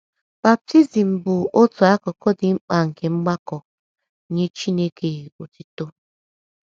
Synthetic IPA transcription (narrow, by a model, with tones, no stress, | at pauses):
b̥a˨p̚ti˦zi˨m̩˨bʊ˨o˦tu˨a˦kɔ˨kɔ˦dɪ˨ŋ͡m̩˦k͡pa˨ŋ̩˨ke˨ŋ͡m̩˦ɡ͡ba˦kɔ˨˦ | ɲe˦t͡ʃi˦ne˦ke˨o˨ti˦to˦